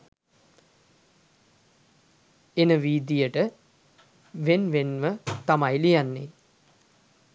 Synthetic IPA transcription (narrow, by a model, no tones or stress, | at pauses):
enəʋiːd̪ijəʈə | ʋenʋenʋət̪amajlijanːe